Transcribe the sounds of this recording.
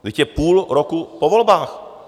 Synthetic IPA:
vɪcjɛpuːlɾokupovolbaːx

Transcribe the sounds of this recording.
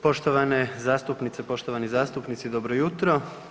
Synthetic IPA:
po̞ʃt̪oʋanezaːst̪upnit̪sepo̞ʃt̪oʋanizaːst̪upnit̪sid̪obɾojut̪ɾo

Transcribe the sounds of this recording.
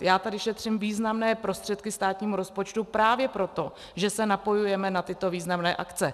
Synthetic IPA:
jaːt̪adɪʃɛt̪r̝̥ɪmviːznamnɛːpɾo̞st̪r̝̥ɛt̪kɪst̪aːt̪ɲiːmuɾospot͡ʃt̪upɾaːvjɛpɾo̞t̪o̞ | ʒɛsɛnapo̞jujɛmɛnat̪ɪt̪o̞viːznamnɛːʔakt͡sɛ

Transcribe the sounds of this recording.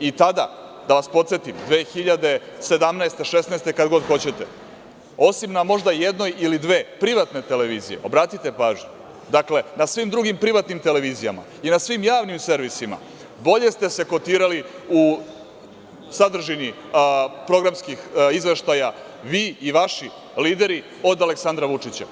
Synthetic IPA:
it̪ad̪a̰d̪aʋaspo̞t̪se̞t̪imd̪ʋe̞ːxiʎad̪e̞se̞d̪amnaest̪e̞ʃe̞snajst̪e̞kad̪ɡo̞d̪xo̞t͡ɕe̞t̪e̞̰ | o̞simnamo̞ʒd̪ajed̪no̞jilid̪ʋe̞ːpɾiʋat̪ne̞t̪e̞leʋiːzije̞̰ʔo̞bɾat̪it̪e̞paːʒɲu | d̪akle̞nasʋimd̪ɾuɡimpɾiʋat̪nimt̪e̞le̞ʋiːzija̰ma̰inasʋimjaːʋnimseɾʋisima̰ | bo̞ʎe̞st̪e̞se̞kot̪iːɾaliu | sad̪r̩ʒini | pɾo̞ɡɾamskixizʋe̞ʃt̪aja | ʋiːʋaʃi | liːd̪e̞ɾi | o̞d̪ale̞ksand̪ɾaʋut͡ʂit͡ɕa̰

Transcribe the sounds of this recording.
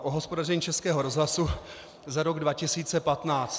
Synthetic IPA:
ʔoɦo̞spodarɛɲiːt͡ʃɛskɛːɦo̞ɾo̞zɦlasu | zaɾo̞ɡdvacɪsiːt͡sɛpat̪naːt͡s

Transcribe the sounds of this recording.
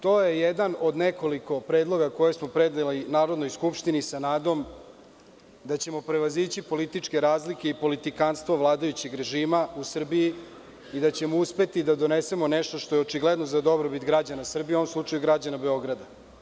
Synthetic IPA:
t̪o̞je̞jed̪anod̪neko̞liko̞pɾe̞ːd̪lˠo̞ɡako̞jesmo̞pɾed̪elinaːɾo̞d̪no̞jskupʃt̪inisanaːd̪o̞m | d̪at͡ɕe̞mo̞pɾeʋazit͡ɕipo̞lit̪it͡ʂkeɾaːzlikʲe̞ipo̞lit̪ikanst̪ʋoʋlˠaːd̪ajut͡ɕeɡɾe̞ʒiːmausr̩biji | id̪at͡ɕe̞mouspe̞t̪id̪ad̪o̞nese̞mo̞neʃt̪o̞ʃt̪o̞jeot͡ʃiɡled̪nozad̪o̞bɾobit̪ɡɾad͡ʑanasr̩bijeoomslˠut͡ʂajuɡɾad͡ʑanabe̞o̞ɡɾad̪a

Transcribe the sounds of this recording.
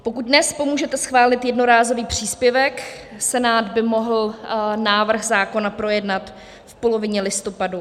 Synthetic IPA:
po̞kut̪̚dnɛspo̞muːʒɛt̪ɛsxvaːlɪt̪jɛdno̞ɾaːzo̞viːpr̝̥iːspjɛvɛk | sɛnaːd̪bɪmo̞ɦl̩naːvr̩xzaːko̞napɾo̞jɛdnat̪ | fpo̞lo̞vɪɲɛlɪst̪o̞padu

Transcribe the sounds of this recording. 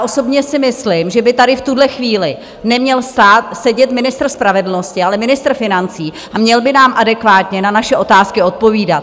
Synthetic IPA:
jaʔoso̞bɲɛsɪmɪslɪmʒɛbɪt̪adɪft̪udlɛxviːlɪ | nɛmɲɛlst̪aːt̪sɛɟɛt̪mɪnɪst̪r̩spɾavɛdl̩no̞scɪalɛmɪnɪst̪rfɪnant͡siː | ʔamɲɛlbɪnaːmʔadɛkvaːt̪ɲɛnanaʃɛʔo̞t̪aːskɪo̞t̪̚po̞viːdat̪̚

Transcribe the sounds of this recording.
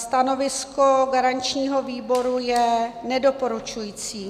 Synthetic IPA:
st̪ano̞vɪskoɡaɾaɲt͡ʃɲiːɦo̞viːbo̞ɾujɛnɛdo̞po̞ɾut͡ʃujiːt͡siː

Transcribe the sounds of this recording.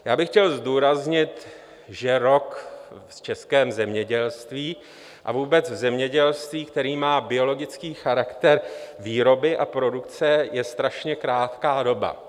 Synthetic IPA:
jaːbɪxcɛlzduːɾazɲɪt̪ | ʒɛɾo̞k | t͡ʃɛskɛːmzɛmɲɛɟɛlst̪viː | ʔa̰vuːbɛt͡svzɛmɲɛɟɛlst̪viːkt̪ɛɾiːmaːbɪo̞lo̞ɡɪt͡skiːxaɾakt̪ɛɾviːɾo̞bɪʔapɾo̞dukt͡sɛjɛst̪ɾaʃɲɛkɾaːt̪kaːdo̞ba̰

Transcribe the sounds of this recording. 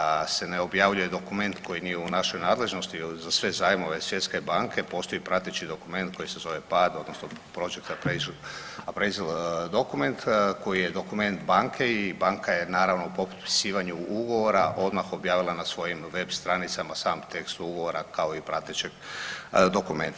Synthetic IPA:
ase̞neo̞bjaːʋʎuje̞d̪o̞kume̞nt̪kʰo̞jinijeunaʃo̞jnaːd̪le̞ʒno̞st̪izasʋe̞zaːjmo̞ʋe̞sʋje̞t̪skebaŋke̞po̞st̪o̞jipɾat̪et͡ʃid̪o̞kume̞nt̪ko̞jise̞zo̞ʋe̞paːd̪o̞d̪no̞snopɾo̞d͡ʒekt̪apɾezapɾezild̪o̞kume̞nt̪ko̞jije̞d̪o̞kume̞nt̪baŋkʰe̞ibaːŋkʰaje̞naːɾaʋnopo̞po̥t̪pi̥siːʋaɲuuɡo̞ʋo̞ɾaʔo̞d̪maxo̞bjaːʋilˠanasʋo̞jimʋe̞bst̪ɾanit̪samasaːmt̪e̞kst̪uuɡo̞ʋo̞ɾakʰao̞ipɾat̪et͡ʃeɡ | d̪o̞kume̞̰nt̪

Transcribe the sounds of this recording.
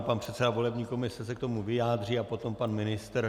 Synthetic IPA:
panpr̥ɛt̪sɛdavo̞lɛbɲiːko̞mɪsɛsɛkt̪o̞muvɪjaːd̪r̝iːapo̞t̪o̞mpanmɪnɪst̪ɾ

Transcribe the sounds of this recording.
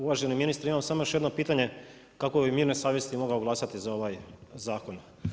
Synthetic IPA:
uʋaʒeniminist̪aɾimamsamojoʃjed̪no̞piːt̪aɲe̞ | kako̞bimiːɾnesaːʋjest̪imo̞ɡaoɡlˠaːsat̪izao̞ʋaːjzaːko̞n

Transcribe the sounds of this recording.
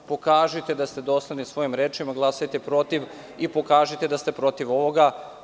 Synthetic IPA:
po̞kaːʒit̪ed̪ast̪e̞d̪o̞slˠad̪nisʋo̞jimɾeːt͡ʃimaɡlˠasajt̪epɾo̞t̪iʋ | ipo̞kaːʒit̪ed̪ast̪e̞pɾo̞t̪iʋo̞ʋoɡa

